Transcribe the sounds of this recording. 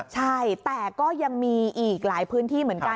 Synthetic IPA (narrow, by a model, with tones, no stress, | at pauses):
t͡ɕʰa˥˩jt̪ɛː˨˩kɔː˥˩ja˧ŋmiː˧ʔiː˨˩k̚laː˩˦jpʰɯː˦˥nt̪ʰiː˥˩mɯ˩˦ənka˧